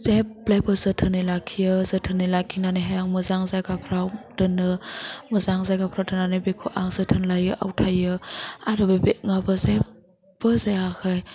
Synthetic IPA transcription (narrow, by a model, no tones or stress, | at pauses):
zeblajbɯzɯtʰɯnɯjlakʰijɯzətʰɯnːɯlakʰinanɯɦajaŋmɯzaŋzajɡapʰɾawdɯnɯmɯzaŋzajɡapʰɾawtɯnːanɯbekʰoʔaŋzətʰɯnlajɯʔa̰wtʰajɯaɾɯbebeŋabɯze | bɯzaakʰaj